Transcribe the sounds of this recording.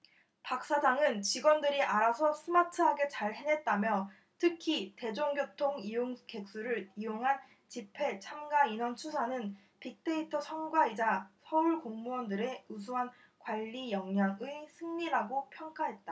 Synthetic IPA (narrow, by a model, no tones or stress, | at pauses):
pak̚s͈ad͡ʑaŋɯnt͡ɕiɡwʌndɯɾiʔaɾasʰʌsʰɯmatʰɯɦaɡe̞t͡ɕaɭhenɦe̞t̚t͈amjʌ | tʰɯkʰite̞d͡ʑoŋɡjotʰoŋijoŋke̞k̚s͈uɾɯɾijoŋɦan | t͡ɕipʰe̞t͡ɕʰamɡainʌnt͡ɕʰusʰanɯn | pik̚t͈e̞itʰʌt͡ɕʰʌnɡwaid͡ʑasʰʌuɭkoŋmuʌndɯɾe̞us̬ʰuɦan | kwaʎːijʌŋɲaŋɯsʰɯŋɲiɾaɡopʰjʌŋk͈aɦe̞t̚t͈a